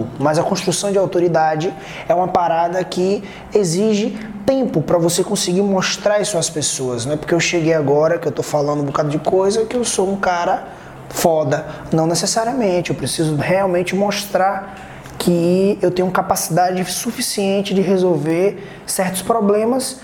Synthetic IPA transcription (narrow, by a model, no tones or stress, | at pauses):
mɐzɐkõst̪ɾusɐ̃w̃d͡ʒɪawt̪oɾid̪ad͡ʒɪ | ɛũmɐpaɾad̪ɐkɪ | eziʒɪ | t̪ẽpʊpɾɐvosekõsɪɡiɾmoʃt̪ɾaɾisʊaspesoɐznwɛpo̥ɾkeewʃeɡejaɡɔɾɐkɪewt̪ofalɐ̃nd̪ʊ̃bokad̪ɐd͡ʒɪkojzɐkɪewsoũkaɾɐ | fɔd̪ɐnɐ̃w̃nesesaɾiɐmẽt͡ʃɪewpɾesizʊheawmẽnt͡ʃɪmoʃt̪ɾaɾ | kʰɪewt̪ẽɲʊ̃ũɐkapasid̪ad͡ʒɪsufisiẽnt͡ʃɪd͡ʒɪɦezowveɾ | sɛɾt̪ʊ̥spɾoblẽmɐs